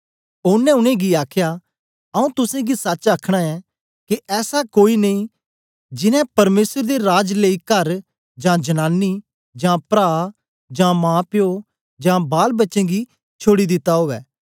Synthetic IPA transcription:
ʊnɛ̃ʊñẽɡiaːkʰja | ɐũt̪ʊsẽɡisɐt͡ʃaːkʰɽ̃aɛ | kiʔɛːsakoːinɐĩ | d͡ʒɪnɛ̃pɐɾmeːsəɾd̪eɾaːd͡ʒleːikəɾ | d͡ʒãːd͡ʒɐnaːnːi | d͡ʒãːpɾaː | d͡ʒãːmãːpɪjo | d͡ʒãːbaːlbɐtːʃẽɡi | t͡ʃʰoːɽid̪ɪt̪ːaɦoːʋɛː

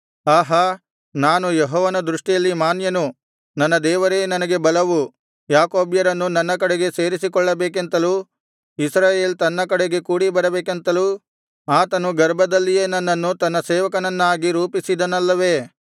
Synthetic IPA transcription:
aːɦɐ | naːnujeɦɔːʋɐnɐd̪ɾuʂʈijɐlːimaːnjɐnu | nɐnːɐd̪ɛːʋɐɾeːnɐnɐɡe̞bɐlɐʋu | jaːkoːbjɐɾɐnːunɐnːɐk̬ɐɽeɡe̞se̞ːɾisikɔɭːɐbeːkent̪ɐluː | isɾaːjeːlt̪ɐnːɐkɐɽeɡe̞kuːɽibɐɾɐbeːkent̪ɐlu | aːt̪ɐnuɡɐɾbʱɐd̪ɐlːijeːnɐnːɐnːut̪ɐnːɐsɛːʋɐkɐnɐnːaːɡiɾuːpisid̪ɐnɐlːɐʋe̞ː

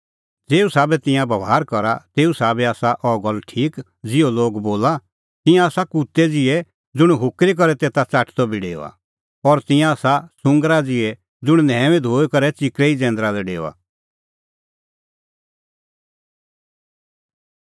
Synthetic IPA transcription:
d͡zeːusaːbɛt̪ɪ̃jãbɐʋaːɾkɔɾa̰t̪eːusaːbɛaːsaʔɔɡɔlːʈʰiːk | d͡zɪjoloːɡboːla | t̪ɪ̃jãaːsakut̪ɛd͡zɪɛ | d͡zʊɽ̃ɦʊkɾik̬ɔɾɛt̪eːt̪at͡saʈʰt̪ɔbiɖḛːo̰a̰ | ɔɾt̪ɪ̃jãaːsasʊ̃ŋɡɾad͡zɪɛ | d͡zʊɽ̃nɛːʋed̪ʱoːekɔɾɛt͡ʃɪkɾɛid͡zɛ̃ːnd̪ɾalɛɖḛːoa̰

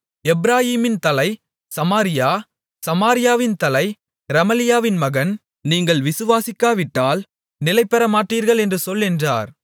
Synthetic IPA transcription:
ɛbɾaːɦiːmɪnt̪ɐlɐɪ | sɐmaːɾɪjaː | sɐmaːɾɪjaːʋɪnt̪ɐlɐɪ | ɾɐmɐlɪjaːʋɪnmɐɣɐn | niːŋɡɐɭʋɪsɯʋaːsɪkːaːʋɪʈːaːl | nɪlɐɪpːɛɾɐmaːʈriːɾɣɐɭɛndrɯsɔlːɛndra̰ːɾ

